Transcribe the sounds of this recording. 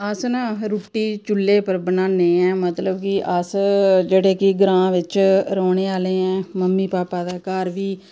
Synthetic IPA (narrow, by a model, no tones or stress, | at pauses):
əsnãːɾuːʈːiːt͡ʃʊlːeːpəɾbənaːneːɛ̃ːmət̪ləbkɪʔəsd͡ʒeːɽeːkɪɡɾãːʋɪt͡ʃɾɔːɳeːaːleːɛ̃ːməmːiːpaːpaːd̪aːkaːɾʋiː